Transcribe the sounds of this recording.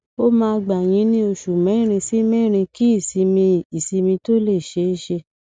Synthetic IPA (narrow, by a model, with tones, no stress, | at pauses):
o˦mãː˦˧ɡ͡ba˨j̃ĩ˧˦nĩ˦o˧˨ʃu˨mɛ̃˨˦ɾ̃ĩ˧si˦mɛ̃˦˨ɾ̃ĩ˧ki˦i˦˨si˨˧mĩ˧i˨si˧mĩ˧to˦le˦˨ʃe˨˦ʃe˧